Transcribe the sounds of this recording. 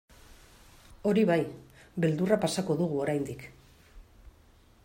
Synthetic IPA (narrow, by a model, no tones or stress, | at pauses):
o̞ɾiβajβe̞ld̪urapasako̞ðuɣ̞uo̞ɾajnd̪ik